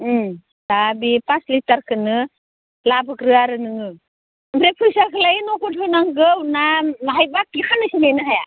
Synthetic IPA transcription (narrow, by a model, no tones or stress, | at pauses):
dabipaslitaɾkʰɯnɯ | labɯkɾɯaɾɯnɯŋɯ | mbɾepʰujsaɾkʰɯlajinɔkut̚ɾɯnaŋɡɯwnamaɦajbak̚ːikʰanɯsinenɯɦaja